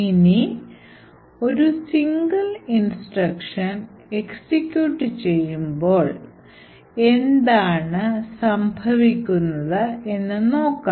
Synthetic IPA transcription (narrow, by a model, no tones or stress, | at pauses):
ini | o̞ɾusiŋɡɐlinsʈrɐkʂɐn | e̞ksikʲːjuːʈːɨt͡ɕe̞jːumbo̞ːɭ | e̞nd̪aːɳɨsɐmbʱɐʋikʲːunːɐðɨe̞nːɨno̞ːkːa